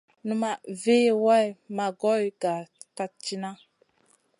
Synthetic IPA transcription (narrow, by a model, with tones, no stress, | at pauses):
nu˦ma˨ve˦˨wa˦jma˨ɡɔ˦jɡa˨ka˦t͡ʃi˦na˦